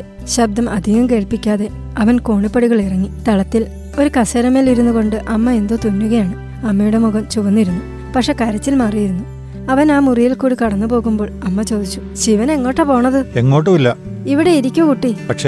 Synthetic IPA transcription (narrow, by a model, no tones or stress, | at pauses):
ɕɐb̚d̪ɐmʔɐd̪ʱiɣɐmke̞ːɭpikʲːaːðe̞ | ɐʋɐnkoːɳipːɐɽiɣɐɭirɐŋːit̪ɐɭɐt̪ːil | o̞ɾukɐsɐɾɐmeːliɾunːuɣo̞ɳɖɨʔɐmːɐe̞nd̪oːt̪unːuɣɐjaːɳɨ | ɐmːɐjuɽe̞muɣɐmt͡ɕuʋɐnːiɾunːu | pɐkʂe̞ːkɐɾɐt͡ɕːilmaːrijiɾunːu | ɐʋɐnaːmurijilkuːɽikɐɽɐnːupo̞ːɣumbo̞ːɭɐmːɐt͡ɕo̞ːd̪it͡ɕːu̥ | ɕiʋɐne̞ŋːo̞ːʈːepo̞ːɳɐðɨe̞ŋːo̞ːʈːumilːɐ | iʋiɽe̞iɾikʲːukuʈːipɐkʂe